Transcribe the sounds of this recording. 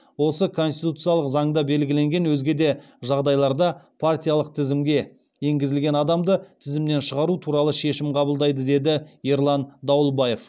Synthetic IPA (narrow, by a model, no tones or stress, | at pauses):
wo̞səkʰo̞nst̪it̪ut̪sɨjalˠəqzɑɴd̪ɑbe̞lɡʲɪle̞ŋɡʲe̞nwɵzɡʲe̞d̪e̞ | ʒɑʁd̪ɑjlˠɑɾd̪ɑpʰart̪ʲijalˠəq̚t̪ʰɪzɪmɡʲe̞ | je̞ŋɡʲɪzɪlɡʲe̞nɑd̪ɑmd̪ət̪ʰɪzɪmne̞nʃəʁɑɾut̪ʰuɾɑlˠəʃe̞ʃɪmqʰɑbəlˠd̪ɑjd̪əd̪e̞d̪ɪjeɾlˠɑnd̪ɑwlˠbɑje̞f